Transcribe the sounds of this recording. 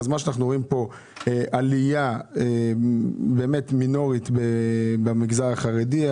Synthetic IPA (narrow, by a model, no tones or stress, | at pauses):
zmaʃeanaχnuʁoimpo̞ | eʔalijae | beːme̞tmino̞ʁitbebamiɡzaʁaχaʁedi